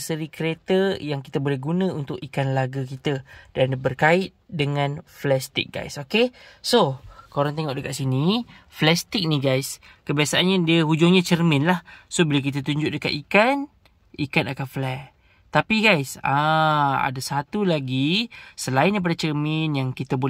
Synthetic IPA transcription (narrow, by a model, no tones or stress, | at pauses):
səɾikəɾet̪əjaŋkit̪abolɛhɡunə̃unt̪ʊkikanlaɡak̬it̪adandbərkaɪt̪̚dəŋãnflɛst̪ɪ̰k̚ɡa̰jsokesokoɾaŋt̪eŋɔʔdəkaʔ̪̚siniflɛst̪ɪk̚niɡajs | kəbiasaʔanɲadiəɦud͡ʒʊŋɲãt͡ʃərminlahsobəlawk̬it̪̬at̪uɲd͡ʒʊʔdəka̰t̪ikan | ikanakanflɛ | t̪apiɡajsaa̰dasat̪ulaɡisəlaɪndejpadat͡ʃərminjaŋkit̪əbo